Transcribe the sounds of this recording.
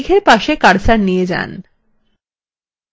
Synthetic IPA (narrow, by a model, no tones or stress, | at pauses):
ɡʰʱeɾpaʃekaɽsaɾnijed͡ʑa̰n